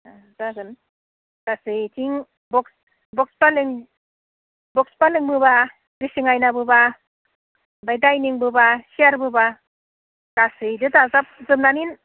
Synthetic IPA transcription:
a | zaɡɯn | ɡ̥asɯjtʰiŋ | bɔks | bɔk̚spalɯŋ | bɔkspalɯŋbɯba | ɡɯsiŋajnabɯba | bajdajniŋbɯbasiaɾbɯba | ɡ̥asɯjdɯtazap̚zɯmnanin

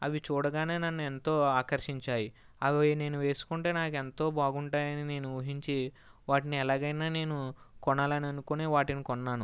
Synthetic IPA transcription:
ɐʋit͡ʃuːɽɐɡaːne̞ːnɐnːuent̪o̞ːaːkɐɾʂiɲt͡ʃaːji | ɐʋine̞ːnuʋe̞ːsu̥kuɳʈe̞ːnaːke̞nt̪o̞ːbaːɡuɳʈaːjɐnine̞ːnuuɦiɲt͡ʃi | ʋaːʈiniɛlaːɡɐjnaːne̞ːnukɔɳaːlɐniɐnukoneːʋaːʈinikɔnːaːnu

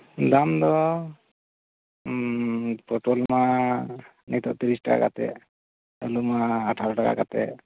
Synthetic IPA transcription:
d̪amd̪ɔ | pɔʈolma | nit̪ɔʔt̪iɾisʈaka̰ka̰t̪ɛ̰ | əlumaːʈʰaɾɔʈaka̰kat̪ɛ̰

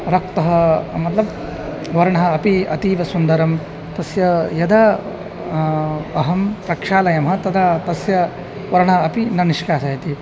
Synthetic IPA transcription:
ɾɐk̚t̪ɐɦɐmɐt̪lɐb | ʋɐɾɐɳɐɦɐɐpiɐ̰t̪iːʋɐsund̪ɐɾɐm | t̪ɐsjɐjɐd̪ʱɐ | ɐɦɐmpɾɐkʂaːlɐjɐmɦɐt̪ɐd̪ʰʱɐt̪ɐsjɐ | ʋɐɾɐɳɐɦɐːpinɐniʃkaːsɐɦit̪i

